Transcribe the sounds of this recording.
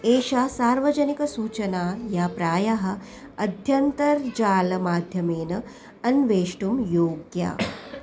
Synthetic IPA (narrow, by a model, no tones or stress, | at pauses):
eːʃɐsaːɾʋɐd͡ʒɐnikɐsuːt͡ʃɐnaːjapɾaːjɐɦɐ̆ | ɐd̪ʱjɐnt̪ɐɾd͡ʒaːlɐmaːd̪ʱjɐmeːnɐ | ɐnʋeːʂʈumjoːɡja̰ː